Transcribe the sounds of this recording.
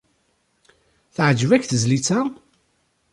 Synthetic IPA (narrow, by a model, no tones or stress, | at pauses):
θəʕəd͡ʒvækθəzlit͡sæ